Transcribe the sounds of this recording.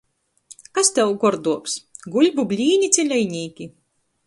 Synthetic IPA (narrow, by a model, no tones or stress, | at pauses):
kast̪ʲɛwɡɔɾd̪uɔpsɡulʲbubʲlʲiːnʲit̪sʲɛlʲɛjnʲiːkʲi